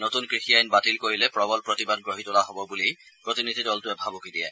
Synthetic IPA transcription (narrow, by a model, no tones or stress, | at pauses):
notunkɹixijajnbatilkoɹilɛpɹɔbɔlpɹotibad̚ɡɹoɦitʊlaɦobɔbuli | pɹotinid̪ʱidɔltʊɛbʱabokidijɛ̰